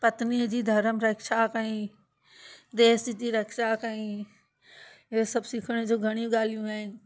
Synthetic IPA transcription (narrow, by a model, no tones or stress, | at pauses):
pɐt̪niəd͡ʑiːd̪ʱɐɾəmɾɐkʃakəĩ | d̪eːsd͡ʑid͡ʑiːɾɐkʃakaĩ | ɪɦosɐbsɪkʰəɽ̃ed͡ʑoːɡʱɐɽ̃ijũɡaːl̤ijũaːɦɪnɪ̆